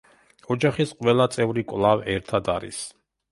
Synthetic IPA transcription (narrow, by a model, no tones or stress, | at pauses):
ɔd͡ʒaχisqʼwɛlˠat̪sʼɛvɾikʼwlˠavɛɾt̪ʰad̪aɾḭs